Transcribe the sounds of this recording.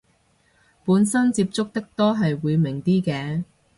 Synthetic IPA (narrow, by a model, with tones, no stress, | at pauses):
puː˨˥nsɐ˥nt͡si˧p̚t͡sʊ˥k̚t̪ɐ˥k̚t̪ɔː˥ɦɐ˨jwuː˨˧jmɪ˨˩ŋt̪iː˥kɛː˧